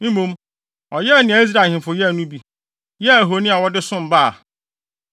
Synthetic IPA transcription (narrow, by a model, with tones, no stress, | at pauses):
m̩˦mũ˦m | ɔ˨jɛ˦˨nɪ̃˨a˨i˦s̬ɾa˨hɪ̃˨m˨fʊ˨jɛ˦˨nũ˦bi˨ | jɛ˦˨e˨ɦo˨nĩ˦a˨wɔ˦dɪ˦sʊ̃˦m̩˨ba̰˦˨